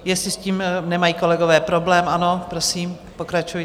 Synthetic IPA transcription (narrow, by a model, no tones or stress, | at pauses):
jɛst̪lɪsciːmnɛmajiːko̞lɛɡovɛːpɾo̞blɛːmʔano̞pɾosiːm | po̞kɾat͡ʃujɪ